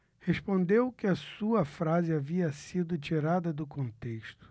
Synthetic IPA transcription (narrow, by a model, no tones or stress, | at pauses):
heʃpõnd̪ewkɪɐsuɐfɾazɪaviɐsid̪ʊt͡ʃiɾad̪ɐd̪ʊkõnt̪eʃt̪ʊ̥